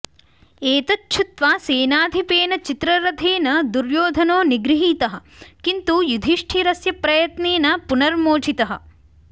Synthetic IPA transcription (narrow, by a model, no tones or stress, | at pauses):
eːt̪ɐtːt͡ʃʰut̪ʋaːseːnaːd̪ʱipeːnɐt͡ʃit̪ɾɐɾɐt̪ʰeːnɐd̪uɾjoːd̪ʱɐnoːniɡɾiɦiːt̪ɐɦɐ̆kint̪ujud̪ʱiʂʈʰiɾɐsjɐpɾɐjɐt̪neːnɐpunɐɾmoːt͡ʃʰit̪ɐɦɐ̰̆